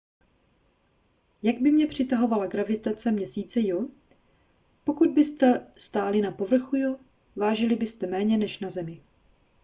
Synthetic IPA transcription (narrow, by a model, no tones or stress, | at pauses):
jaɡ̚bɪmɲɛpr̝̥ɪt̪aɦo̞valaɡɾavɪt̪at͡sɛmɲɛsiːt͡sɛjo | pokud̪̚bɪst̪ɛst̪aːlɪnapo̞vr̩xujo | vaːʒɪlɪbɪst̪ɛmɛːɲɛnɛʃnazɛmɪ